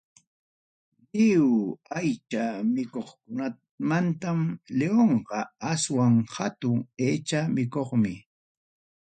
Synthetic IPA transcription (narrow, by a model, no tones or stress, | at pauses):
ʎɪwajt͡ʃamɪkoχkʊna | mant̪amleoɴɢɑaswaŋhat̪ʊŋeːt͡ʃamɪkoχmɪ